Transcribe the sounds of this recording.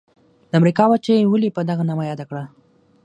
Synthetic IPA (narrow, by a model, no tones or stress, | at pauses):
d̪əamɾikɑwat͡ʃewəlipəd̪aɣanamajɑd̪akɽa